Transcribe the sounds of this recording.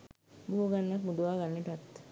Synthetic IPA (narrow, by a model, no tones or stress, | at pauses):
buɦoɡanːakmud̪uʋaːɡanːeʈat̪ː